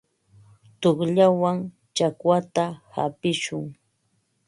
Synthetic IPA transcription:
t̪oχʎawaŋ | t͡ʃakwat̪aha̰pɪʃʊŋ

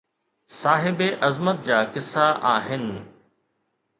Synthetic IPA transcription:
saːɦɪbeʔɐzmət̪̚d͡ʑaːkɪsːaʔa̰ːɦɪnɪ̆

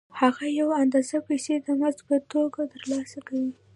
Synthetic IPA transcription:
haɣajawand̪ɑzapajsed̪əmazpət̪oɡat̪əɾlɑsakawi

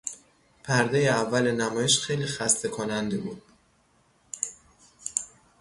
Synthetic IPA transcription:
pʰæɾd̪ejeævːælenæmɒːjeʃxe̞jliːxæst̪ʰe̞kʰonænd̪e̞buːd̪̥̚

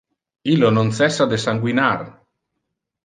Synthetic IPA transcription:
ilononsɛsːad̪esaŋɡwinar

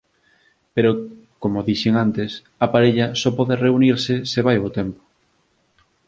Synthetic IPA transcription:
peɾo | komoðiʃeŋant̪es | apaɾeʎasɔpɔðereuniɾsɪseβajot̪empo̥

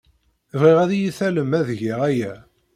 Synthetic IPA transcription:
vʁiʁæðijiθæləmːæðʝiʁæjæ

